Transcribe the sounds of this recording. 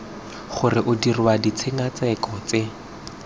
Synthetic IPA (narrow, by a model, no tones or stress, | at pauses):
χʊrɪʔʊdirwadit͡sʰeŋat͡sɛkɔt͡se